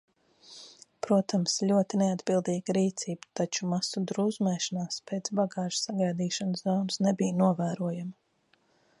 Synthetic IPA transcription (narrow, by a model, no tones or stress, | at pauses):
pɾuɔt̪ʰamslʲuɔt̪inead̪bilˠd̪iːɡ̥ɾiːt̪siːbt̪at͡ʃumasud̪ɾuːzmɛːʃanaːspeːt̪sbaɡɑːʒ̥saɡajd̪iːʃanszɔwnsnebijnuɔvæːɾuɔjamɐ